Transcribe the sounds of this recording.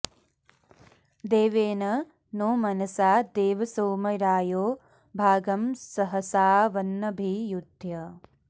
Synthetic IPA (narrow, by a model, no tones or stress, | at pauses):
d̪eːʋeːnɐ | noːmɐnɐsaːd̪eːʋɐsoːmɐɾaːjoː | bʱaːɡɐmsɐɦɐsaːʋɐnːɐbʱijud̪ʱjɐ